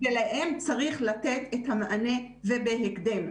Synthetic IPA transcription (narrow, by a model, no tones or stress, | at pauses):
elehemt͡saʁiχlat̪e̞t̪et̪hamaʔane̞ | vebeɦekd̪em